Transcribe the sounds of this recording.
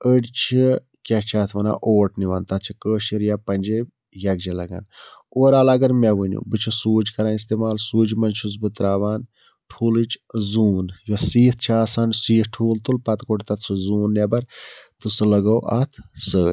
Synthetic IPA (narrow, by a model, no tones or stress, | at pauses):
əɽʲt͡ʃʰi | kʲɐt͡ʃʰaːt̪ʰʋɐna̰ːʔoːʈʰniʋaːnt̪ɐtt͡ʃʰikəːʃiɾjaːpɐnʲd͡ʒe | jɐɡd͡ʒɐlɐɡa̰ːnoːɾaːlaːɡɐɾmeʋɨnʲṵbɨt͡ʃʰisuːd͡ʒkɐɾãːnis̬t̪eːmaːlsuːd͡ʒmɐnt͡ʃʰuz̬bɨt̪ɾaːʋaːn | ʈʰuːlɨt͡ʃʰzuːnjosiːt̪̚ʰt͡ʃʰaːsɐnsiːʈʰuːlt̪ulpɐt̪koʈt̪ɐt̪suzuːnːebɐɾt̪ɨsɨlɐɡoːʔa̰t̪ʰsəːt͡ʃ